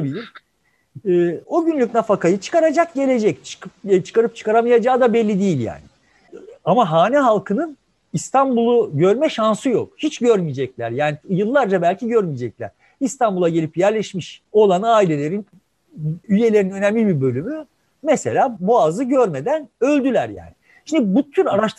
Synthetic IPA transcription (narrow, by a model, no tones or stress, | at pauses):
abilʲimː | o̞ɟynlʲycʲnafakajɯt͡ʃʰɯ̥kaɾad͡ʒak̚ɟe̞lʲe̞d͡ʒɛct͡ʃʰːt͡ʃʰɯ̥kaɾɯp̚t͡ʃʰɯ̥kaɾamajad͡ʒaːd̪abɛlʲːid̪ijilʲja̰ːnɪ | amaɦaːnɛɦalˠkʰɯnɯn | ist̪ʰanbulˠuɟø̞ɾmɛʃansɯjo̞̰k̚hit͡ʃɟøɾmijd͡ʒɛclʲæɾjaːnijɯlˠːaɾd͡ʒabælʲcʰiɟø̞ɾmijed͡ʒɛclʲæ̰ɾ̥ | ist̪ʰanbulˠaɟe̞lʲipjæɾlʲɛʃmiʃo̞lˠanɯaːilʲe̞lʲe̞ɾin | yje̞lʲe̞ɾinø̞nɛmlʲibibø̞lʲymy | mese̞̰lʲaːbuazɯɟøɾme̞d̪ænø̞lʲd̪ylʲæɾja̰ːnɪ | ʃind̪ibut̪ʰyɾaɾaʃt̪